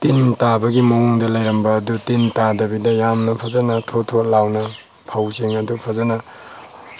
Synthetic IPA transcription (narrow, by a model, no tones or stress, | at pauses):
tintabɐɡimɐwuŋdɐlajɾɐmbɐːdutintadɐbidɐjamnɐpʰazanɐtʰotʰolawnɐ | pʰawseŋɐdupʰazanɐ